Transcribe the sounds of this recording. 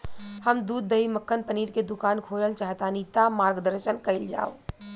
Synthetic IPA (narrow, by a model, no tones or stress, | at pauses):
həmd̪uːd̪ːəiməkːənpəniːɾked̪ukaːnkʰoləlt͡ʃaːɦt̪anit̪amaːɾɡd̪əɾʃənkəɪld͡ʒa̰ːo